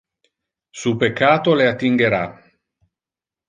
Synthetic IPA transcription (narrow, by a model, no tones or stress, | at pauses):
supekːaːt̪oleat̪ːiŋɡeɾa̰